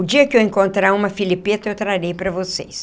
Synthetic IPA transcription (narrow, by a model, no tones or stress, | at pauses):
ʊd͡ʒiɐkɪewẽŋkõnt̪ɾaũmɐfilipet̪ɐewt̪ɾaɾejpɾɐvosḛs